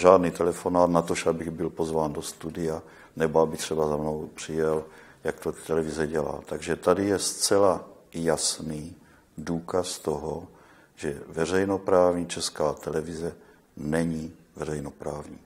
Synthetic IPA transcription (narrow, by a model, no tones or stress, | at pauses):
ʒaːdnit̪ɛlɛfonaːt̪nat̪oʃabɪɣbɪlpo̞zvaːndost̪udɪja | nɛboabɪt̪r̥ɛbazamno̞wpr̝̥ɪjɛl | jakt̪ot̪ɛlɛvizɛɟɛla̰ːt̪aɡʒɛt̪adɪjɛst͡sɛla | jasniː | duːkast̪oɦo | ʒɛvɛr̝ɛjno̞pɾaːvɲiːt͡ʃɛskaːt̪ɛlɛvizɛ | nɛɲivɛrɛjno̞pɾaːvɲiː